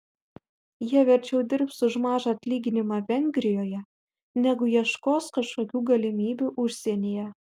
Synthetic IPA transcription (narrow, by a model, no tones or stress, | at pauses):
jiɛʋʲɛɾʲt͡ʃʲɛʊd̪ʲɪɾpsʊʒmɑːʒɐɐt̪ʲlʲiːɡʲɪnʲɪmɑʋʲɛŋʲɡɾʲɪjoːjɛ | nʲɛɡʊjiɛʃkoːskɐʃkoːkʲuːɡɐlʲɪmʲiːbʲuːʔʊʃʲsʲeɛnʲejɛ